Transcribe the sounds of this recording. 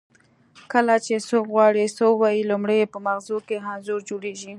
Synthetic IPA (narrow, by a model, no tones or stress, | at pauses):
kəlat͡ʃesokɣwɑɽisowɑjilumɽejepəmaxzokeɦanzoɾd͡ʒoɽeʒi